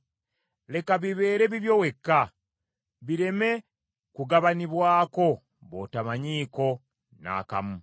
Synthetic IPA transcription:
le̞kaβiβe̞ːɾe̞βiβjo̞we̞kːa | βiɾe̞me̞ | kuɡaβaniβwaːko̞ | βo̞̰tamaɲiːko̞ | na̰ːka̰mu

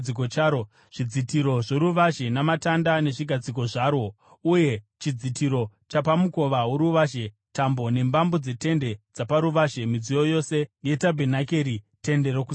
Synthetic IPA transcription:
ikot͡ʃaɾo | ʐ̥id͡zitiɾo̞ʐoɾuʋaʒe̞namatandane̞ʐiɡʱad͡ziko̞ʐaːrwo̞ | uje̞ | t͡ʃid͡zitʰiɾo̞t͡ʃapamuko̞ʋauɾuʋaʒe̞ | tambo̞ne̞mbambo̞d͡ze̞te̞nde̞d͡zapaɾuʋaʒe̞mid͡zijo̞jo̞se̞je̞tabʱenake̞ɾi | te̞nde̞ɾoku

